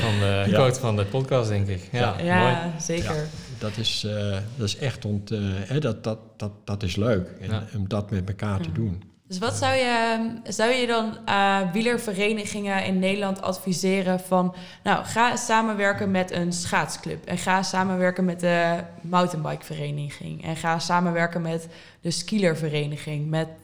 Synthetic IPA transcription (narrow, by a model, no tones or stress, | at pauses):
fɔndəotfɔndəpɔtkɑsdɛŋkɪkajazeːkəɹd̥ɔtɪsdɔtɪsɛxtɔnthɛdɔttd̥d̥ɔtɪsløːkɛnɔmdɔtmɛtməkaːrtədun | døs̬ʋɑtsawjəzʌwjədɑnʋiləɹvərejnəχɪŋəɪ̰nːejdəlɑntɑ̰tfizɪːrəvɑn | nawχaːsaːmənʋɛɹkənmɛtənsχaːtsklɵ̰pɛ̰nχaːsaːmənʋɛɹkənmɛt̚dəmawtənbɑjkfərejnəχɪ̰ŋɛ̰nχaːsaːmənʋɛɹkənmɛt | dəskiləɹvərejnəχɪŋmɛt